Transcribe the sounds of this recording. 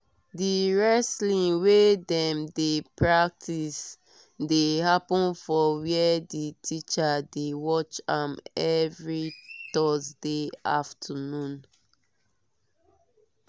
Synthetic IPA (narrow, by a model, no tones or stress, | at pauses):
diɹɛslĩŋwedɛ̃mdepʰɹak̚tʰis | dehapɔ̃nfɔwiɛditʰit͡ʃadewɔt͡ʃãmɛvɹitɔzdeaftʰənũn